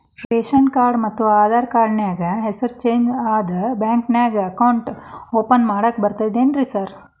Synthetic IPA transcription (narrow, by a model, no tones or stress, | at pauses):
ɾeːʃɐnkaːɾɖmɐt̪ːuaːd̪ʱaːɾkaːɾɖnjaːɡɐɦesɐɾt͡ʃeːɲd͡ʒaːd̪ɐbaːŋknjaːɡɐɐkɐwɳʈoːpɐnmaːɽɐkbɐɾt̪ajd̪eːnɾisɐɾ